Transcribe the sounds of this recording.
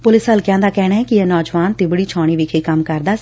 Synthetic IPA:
pʊlɪsɦəlkjãːd̪aːkɛːɽ̃aːɛːkɪɛːnɔːd͡ʒʋaːnt̪ɪbəɽiːt͡ʃʰaːɽ̃iːʋiːkʰeːkəmkəɾd̪aːs

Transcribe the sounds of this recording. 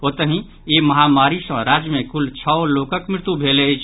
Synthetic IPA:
ot̪əɦĩ | eməɦamaɾisə̃ɾad͡ʒjəmẽkult͡ʃʰəoloːkəkmɾɪt̪ubʱelet͡ʃʰ

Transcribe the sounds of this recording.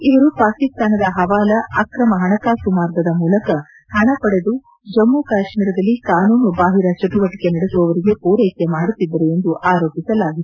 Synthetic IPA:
iʋɐɾupaːkist̪aːnɐd̪ɐɦɐʋaːlɐɐkɾɐmɐɦɐɳɐkaːʃumaːɾɡɐd̪ɐmuːlɐkɐ | hɐɳɐpɐɽe̞d̪u | d͡ʒɐmːukaːʂmiːɾɐd̪ɐlːikaːnuːnubaːɦiɾɐt͡ʃɐʈuʋɐʈi̥kenɐɽesɔʋɐɾiɡe̞puːɾɐjkemaːɽut̪ːid̪ːɐɾeend̪uʔaːɾo̞ːpisɐlaːɡit̪u

